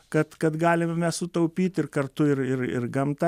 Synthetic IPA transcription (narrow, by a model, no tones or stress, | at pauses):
kɐt̪kɐt̪ɡɑːlʲɪmmʲɛssʊt̪ɐʊpʲiːt̪ʲɪrkɐrt̪ʊɪrɪ̰rɪ̰rɡɐmt̪ɐ